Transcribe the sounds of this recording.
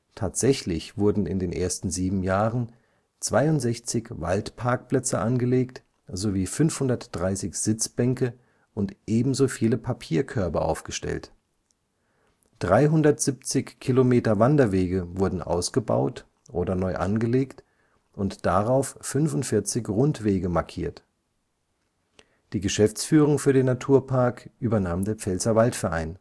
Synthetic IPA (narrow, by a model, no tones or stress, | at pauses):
tʰaːtz̥ɛçlɪçv̥ʊɐdn̩ɪ̰ndeːnʔḛːɐstn̩ziːbm̩jaːʁən | t͡sv̥aɪʊntz̥ɛçt͡sɪçva̰ltpʰaɐk̚pl̥ɛt͡səʔanɡəleːkt | z̥oviːfʏnfhʊndɐtd̥ʁaɪsɪçz̥ɪt͡sb̥ɛŋkə | ʔʊntʔeːbm̩zoːfiːləpʰapʰiːɐkʰœɐbɐʔa̰ʊfɡ̥əʃtɛ̰lt | d̥ʁaɪɦʊndɐtz̥ipt͡sɪçkʰilomeːtɐvandɐveːɡəvʊɐdn̩ʔa̰ʊsɡ̥əba̰ʊt | ʔoːdɐnɔʏʔa̰nɡəleːkt | ʔʊntd̥aʁaʊfːʏnfʊntfɪɐt͡sɪçʁʊntv̥eːɡəmaɐkʰḭːɐt | d̥iːɡəʃɛft͡sfyːʁ̞ʊŋfyːɐdeːnːatʰuːɐpʰaɐkʔyːbɐnaːmdeːɐp͡fɛlzɐvaltfɛɐʔa̰ɪn